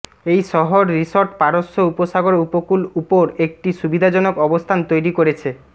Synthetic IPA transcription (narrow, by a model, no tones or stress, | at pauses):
ejʃɔɦoɾːisoɾʈpaɾosːoupoʃaɡoɾupokulupoɾek̚ʈiʃubid̪ʱad͡ʑɔnokɔbost̪ʰant̪ojɾikoɾet͡ɕʰe